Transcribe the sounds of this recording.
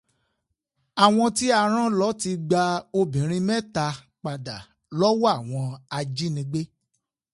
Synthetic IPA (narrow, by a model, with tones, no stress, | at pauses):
a˨w̃ɔ̃˧ti˦a˧ɾ̃ã˦lɔ˦ti˧ɡ͡ba˧o˧bĩ˨˦ɾ̃ĩ˧mɛ̃˦ta˧ | k͡pa˧da˨ | lɔ˦wa˦˨w̃ɔ̃˧a˧d͡ʒi˦nĩ˧˦ɡ͡be˦